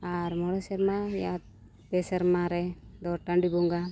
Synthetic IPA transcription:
aɾmɔɽɔsɛɾmaja̰t̪̚ | pɛsɛɾmaɾɛd̪ɔʈaɳɖibɔŋɡa

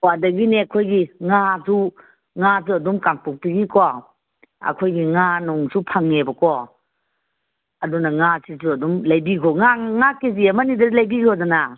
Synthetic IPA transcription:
wadɐɡineakʰojɡiŋasu | ŋas̬uɐdumkaŋpuk̚tiɡikʰɔ | ɐ̰kʰojɡiŋanɔŋsupʰaŋnebakɔ | adunaŋasisuɐdumlajbikʰɔŋaŋakeziamanidalajbiɡʰɔzana

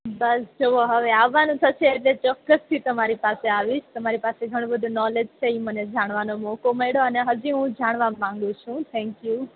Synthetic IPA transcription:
bɐsd͡ʒʰoʋoɦɐʋeaːʋanũt̪ʰɐt͡ʃʰeːt̪let͡ɕɔkəst̪ʰit̪ɐmaːɾipaːseaːʋist̪ɐm̤aːɾipaːseɡʱɐɽ̃õbəd̪ʱonɔːled͡ʑt͡ʃʰeimɐnẽd͡ʒʱaːɽ̃ʋaːnomokomɐɽoanɛɦɐd͡ʑĩũd͡ʑʱaːɽ̃ʋamãːŋɡot͡ʃʰũt̪ʰɛ̃ːŋkjuː

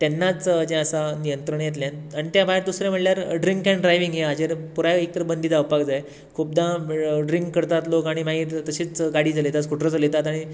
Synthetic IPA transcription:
t̪jɛnːat͡sd͡ʑɛ̃əsanijənt̪ɾəɳjet̪ljãnaɽ̃it̪jabaeɾd̪usɾẽm̤əʈljaɾɖɾiŋkɛ̃ɳɖɾajʋiŋɡɦeɦad͡ʑeɾpuɾaek̚t̪əɾbənd̪iːd͡zaəʋpakd͡zaj | kʰup̚d̪aɖɾiŋkːəɾt̪at̪lokaɽ̃imaɡiːtt̪əɕiːt͡sɡaɽiːd͡zalet̪at͡skʰuʈʰɾət͡salet̪at̪aɽ̃i

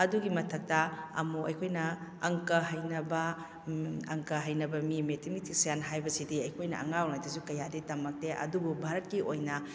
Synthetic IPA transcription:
ɐduɡimɐtʰɐk̚tɐɐ̰muʔɐ̰jkʰojnɐɐŋkɐɦɐjnɐbɐ | ɐ̰ŋkɐɦɐjnɐbɐmimetʰimitʰik̚sjanɦajbɐsidiɐjkʰojnɐ̰ʔɐ̰ŋawnajdɐsukɐjaditɐmɐk̚teʔɐ̰dububʱaɾɐt̚kiʔojnɐ

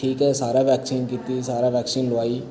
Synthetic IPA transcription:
ʈʰiːkɦɛːsaːɾaːʋɛːksiːnkiːt̪iːsaːɾaːʋɛːksiːnloaːiː

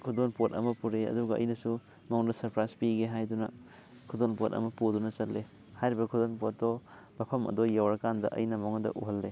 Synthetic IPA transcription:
kʰudonpotɐ̰mɐpuɾeɐ̰duɡɐɐ̰jnɐsu | moŋdɐsɐɾpɾajspiɡeɦajdunɐ̰ | kʰudonpotɐ̰mɐpudunɐt͡ʃɐtlːe | hajɾibɐkʰudonpot̚dɔ | bɐpʰɐmɐ̰dojawɾɐkandɐ̰ʔɐ̰jnɐmowŋɐdɐ̰ʔuɦɐlːe

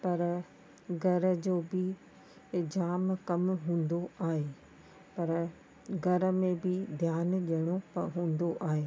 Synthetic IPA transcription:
pɐɾ | ɡʱɐɾə̆d͡ʑoːbɪ | d͡ʑaːmkɐmɦũːn̆d̪oaːɦeː | pɐɾ | ɡʱɐɾə̆mẽbɪd̪ʱjaːnɗijəɽ̃opɐɦũːn̆d̪oʔaːɦeː

